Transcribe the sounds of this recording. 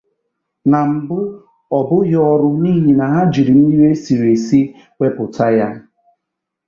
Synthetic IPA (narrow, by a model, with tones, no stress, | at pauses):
na˨m̩˨bʊ˦ | ɔ˨bʊ˦ɦɔ˦ɾʊ˦niː˦ɦi˨na˨ɦa˦d͡ʒi˨ɾi˨m̩˦i˦we˦si˨ɾe˨si˦ | wʷe˦pʊ˨tʰa˦ja˦